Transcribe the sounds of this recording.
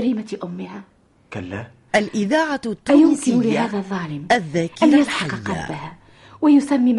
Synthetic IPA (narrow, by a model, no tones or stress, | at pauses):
ɾiːmaʔʊmːɪhaː | kalːa | ʔalʔɪðaːʕat̪ːjʊmkɪɪlɪhaːðaðˤːɑːlɪmʔaðːaːkɪanajat̪ħɑaɑqɑa̰ːahaː | wajʊsamːim